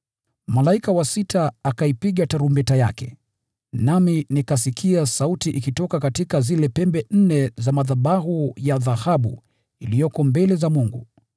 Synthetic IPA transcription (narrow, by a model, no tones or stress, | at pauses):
malaikawasitaːkaipiɠataɾumbɛtaja̰kɛ̰ | naminikasikʰiasautiʔikitɔkakatikazilɛpɛmbɛn̩nɛzamaðaɓaɦujaðahaɓṵ | ilijɔkɔmbɛlɛzamuŋɡṵ